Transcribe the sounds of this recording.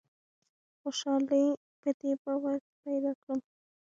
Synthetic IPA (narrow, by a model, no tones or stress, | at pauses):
xoʃɑli | pəd̪ebawax | pajd̪ɑkɽəm